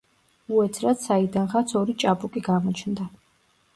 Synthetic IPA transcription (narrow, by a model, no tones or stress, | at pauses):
uɛt̪ʰɾat̪said̪anχat̪sʰɔɾit͡ʃʼapʼukʼiɡamɔt͡ʃʰnd̪a